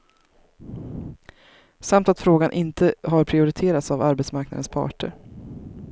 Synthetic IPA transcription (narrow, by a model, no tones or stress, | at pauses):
samt̪at̪fɾoːɡanʔɪnt̪ʰəɦaɾpʰɾɪʊɾɪt̪ʰeːɾat̪savaɾbɛt̪smaɾknad̪ənspʰɑ̰ːʈʰə̰ɾ